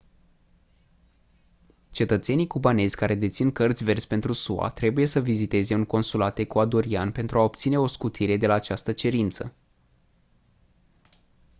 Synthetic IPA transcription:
t͡ʃe̞t̪ət̪se̞nijkubane̞zʲkaɾe̞d̪e̞t̪sinkərt̪sʲve̞rt̪sʲpe̞nt̪ɾusua̰t̪ɾe̞buje̞səvizit̪e̞ze̞uŋko̞nsulat̪e̞kuad̪oɾianpe̞nt̪ɾuaop̚t̪sine̞o̞skut̪ʰiɾe̞d̪e̞laːt͡ʃast̪ət͡ʃe̞ɾint̪sə̰

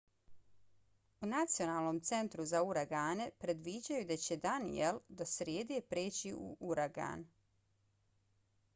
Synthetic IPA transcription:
unat̪sio̞naːlˠno̞ːmt̪se̞nt̪ɾuzauɾaɡaːne̞pɾe̞d̪ʋiːd͡ʑajud̪at͡ɕe̞d̪anḭeld̪asɾjeːd̪epɾeːt͡ɕiṵʔuɾaɡa̰ːn

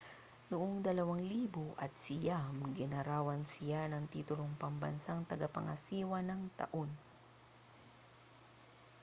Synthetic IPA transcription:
nʊʔoŋd̪ɐlɐwaŋliːbʊʔɐt̪̚sɪjamɡɪnɐɾaːwɐnsɪjanɐŋt̪iːt̪ʊɾoŋpɐmbɐ̰nsaŋt̪ɐɡapɐ̰ŋɐ̰siːwɐnɐŋt̪ɐ̰ʔon

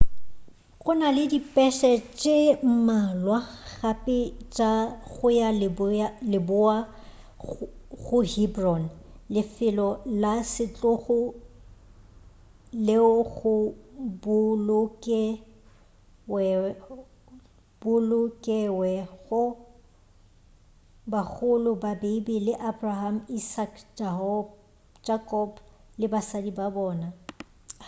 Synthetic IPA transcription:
ɣʊnalɪdipʼɛʃɛt͡ʃʼem̩malwaɣapʼɪt͡ʃʼaɣʊjalblɪbʊa | ɣʊhibrɔnlɪfɪlɔlasɪt͡ɬʼʊɣʊ | lɪʊɣʊbʊlʊkʼɛ | wɛ | b̥ʊlʊkʼɛwɛɣʊ | bak͡xʊlʊbabebilɪʔabraham̩isakʰd͡ʒahɔ | d͡ʒʼakʼɔblɪbasadibabɔːna

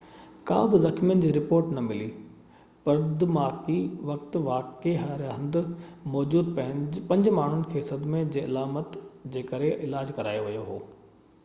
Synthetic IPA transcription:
kã̰ːbɪzɐkʰmijənɪ̆d͡ʑiːɾɪpoːɾʈnɐmɪli | pɐɾd̪maːkiʋɐkt̪ʋaːkeɦɐɾɦɐ̃nd̪mɔːd͡ʑuːd̪pɐɦɪ̃pɐ̃ɲd͡ʑmaːɳ̤ʊnɪ̆kʰeːsɐd̪mẽd͡ʑeːɐlaːmət̪d͡ʑeːkɐɾeʔɪlaːd͡ʑkɐɾa̰ːjoʋɐjoɦoː

